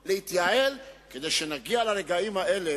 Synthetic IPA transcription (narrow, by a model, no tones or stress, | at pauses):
lehit̪jae̞lke̞d̪ejʃenaɡialaɾe̞ɡaimhaʔe̞le